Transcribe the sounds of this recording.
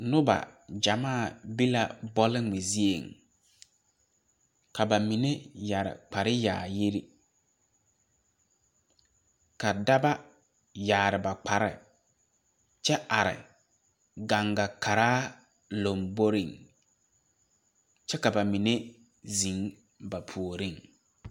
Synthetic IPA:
nʊ˦ba̰˨d͡ʒa˨maː˦˨bi˦la˨bɔ˦lɪ˦ŋ͡mɪ˨zi˦ḛ˨ŋ | ka˨ba˨mi˨ne˦ja˨ɾɪ̰˨k͡pa˨ɾɪ˦ja̰ː˨ji˦ɾḭ˦ | ka˨da˦ba˦ | jaː˨ɾɪ˨ba˨k͡pa˨ɾɪ̰˨ | t͡ʃɛ˦ʔa˨ɾɪ̰˨ | ɡa˨ŋɡa˨kʰa˨ɾaː˦ | lo˨mbo˦ɾi˨ŋ | t͡ʃɛ˦ka˨ba˨mi˨ne˦ | zi˨˦ŋ | ba˨pʰu˨o˨ɾi˦˨ŋ

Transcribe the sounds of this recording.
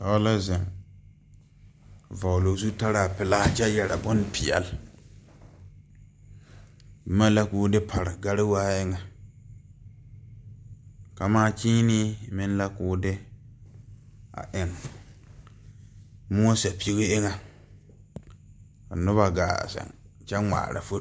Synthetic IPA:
a˨˦la˦zɛ˨ŋ˨ | va˨wlo˨zu˦ta˦ɾa˨a˨pɪ˨la˦d͡ʒa˦jɛ˨ɾa˨bʊ˦npɪ˨ɛ̰˨l | bma˦la˦kuː˦dɪ˦pʰa˨ɾɪ˨ɡa˦ɾɪ˦waː˦ɪ˦ŋa˨ | ka˨maː˦t͡ʃiː˦ni˦˨mɪ˦n˦la˦kʊː˦dɪ˦ | a̰˨ʔɪ˦ŋ˦ | mʊ˦a˦sa˨pi˦ɣi˦ɪ˦ŋa˦ | ka̰˨nʊ˦βa˨ɡa̰ː˨sa̰˨ŋt͡ʃɛ˦ŋ͡ma̰ː˨ɾa̰˨fo˦

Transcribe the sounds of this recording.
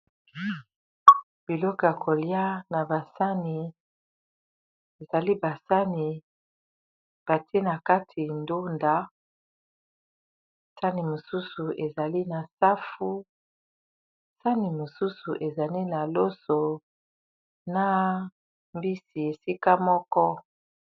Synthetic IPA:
b̥i˨lɔ˦kɔ˨ja˨kʰo˨lja˦na˨ba˨sa˦ni˨ | e˨za˨li˦ba˨sa˦ni˨ | b̥a˨tʰe˦na˨ka˦tʰi˨ndo˦nda˦˨ | sa˦ni˨mo˨su˦su˨ʔe˨za˨li˦na˨sa˦fu˦ | sa˦ni˨mo˨su˦su˨ʔe˨za˨li˦na˨lo˦so˨ | na˨ | mbi˦si˨e˨si˦ka˦mɔ˦kɔ˦

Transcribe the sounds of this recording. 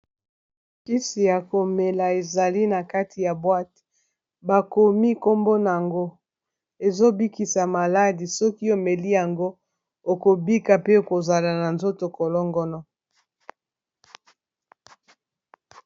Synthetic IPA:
ki˦si˨ja˨ko˨me˨la˨e˨za˨li˦na˨ka˦tʰi˨ja˨bwa˦t | ba˨ko˨mi˦ko˦mbo˦na˨ja˨ŋɡo˦ | e˨zo˦bi˦ki˨sa˨ma˨la˦di˨sɔ˦ki˦o˨me˨li˦ja˨ŋɡo˦ | o˨ko˨bi˦ka˨pe˦˨ko˨za˨la˨na˨nzo˦to˨ko˨lɔ˦ŋɡɔ˦nɔ˦

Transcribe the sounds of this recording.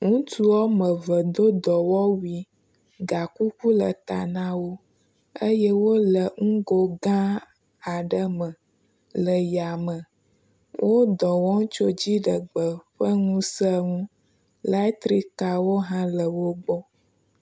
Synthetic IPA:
ŋũ˦t̪u˦wɔ˦mə˨və˨d̪o˦d̪ɔ˨wɔ˦wi˨ | ɡa˨ku˦ku˦lə̰˨t̪a̰˨nã˦wo˦ | ə˦jɛ˦wo˦lə˨ŋũ˦ɡo˦ɡã˦ | a˨ɖə˦mə˨ | lə˨ja˨mə˨ | wʔo˦d̪ɔ˨wɔ˦ŋ̩̃˦t͡ʃo˦d͡ʑi˦ɖə˨ɡ͡bə˨ɸə˦ŋũ˦sə˦ŋũ˦ | la˦t̪ɾi˦ka˨wo˦ɦã˦lə˨wo˦ɡ͡bɔ˦

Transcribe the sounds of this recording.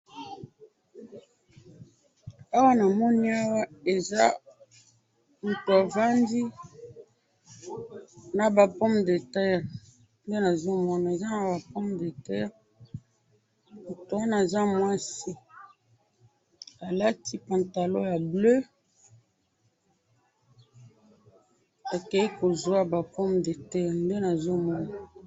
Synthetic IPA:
a˦wa˦na˨mɔ˦ni˦a˦wa˦e˨za˦ | n̩˨to˨a˨va˦ndi˦ | na˨ba˨pɔ˦mde˨ta˦˨ʁ | nde˦na˨zo˦mɔ˦na˨e˨za˦na˨ba˨pɔ˦mde˨tɛ˦ʁ | mu˨to˨a˦na˨e˨za˦mwa˦si˦ | a˨la˦ti˦pa˨nta˨lo˦ja˨blø˦ | a˨ke˨i˦ko˨zwa˦ba˨pɔ˦mde˨tɛ˦ʁnde˦na˨zo˦mɔ˦na˨

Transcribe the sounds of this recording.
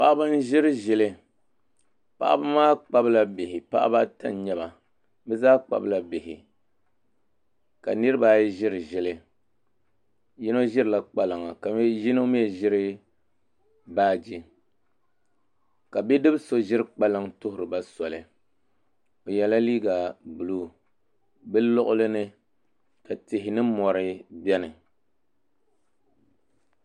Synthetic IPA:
pa˦ʔba˦n˦ʒɪ˦ɾɨ˦ʒɪ˨lɨ˦ | pa̰˦ʔa̰˦ba˦maː˦k͡pa˦bla˦bɪ˨hɪ˨pa̰˦ʔa̰˦ba˦ta̰˦n˨ɲɛ˦ba˨ | bɛ˦zaː˦k͡pa̰˨bla˨bɪ˨hɪ˨ | ka̰˨nɨ˦ɾɨ˦ba˦jʒɪ˦ɾɨ˨ʒɪ˦lɨ˦ | jɪ˦no˦ʒɪ˦ɾɨ˨la˦k͡pa˦lɨ˨ŋa˨ka˨m˦jɪ˦no˦mi˦ɛ˨ʒɪ˦ɾɨ˦ | baː˦d͡ʒi˦ | ka˨bi˦dɨ˦bso˦ʒɪ˦ɾɨ˦k͡pa˦lɨ˦ŋtʊ˦hʊ˨ɾɨ˨ba˦sɔ˨lɨ˨ | o˨jɛ˨la˦liː˦ɡa˨bu˨lu˦ | bɨ˦lɔ˦ʔʊ˦lɨ˦nɨ˦ | ta˨tɪ˨ɦɪ˨nɨ˦mɔ˨ɾɨ˦bɛ˦nɨ˨

